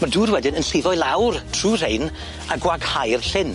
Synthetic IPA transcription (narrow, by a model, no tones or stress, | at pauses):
maduːrwɛdɪnənɬɪvɔɨlˠawrtʰruːr̥ejn | aɡwaɡhajrɬɪn